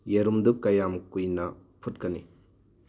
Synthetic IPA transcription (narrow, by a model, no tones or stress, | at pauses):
jeɾumd̪ukːɐjamkujnɐpʰutkɐnḭ